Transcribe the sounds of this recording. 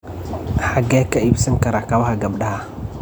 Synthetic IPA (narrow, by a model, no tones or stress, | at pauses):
ħaɡɛːkʰɐibsɐŋkɐɾakɐβɐhɐɡɐbɗɐhɐ